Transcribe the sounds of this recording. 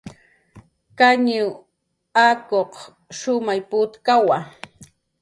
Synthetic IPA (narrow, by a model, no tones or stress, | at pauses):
kaɲʊ | akoq | ʃʊmajpʊt̪kawa